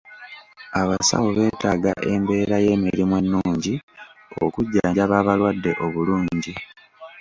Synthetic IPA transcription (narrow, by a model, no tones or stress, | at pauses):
aβasa̰woβe̞ːtaːɡa̰ʔe̞mbe̞ːɾaje̞ːmiɾimwe̞nːuːɲɟio̰kuɟːaːɲɟaβaːβalwadːe̞ʔo̞βuluːɲɟi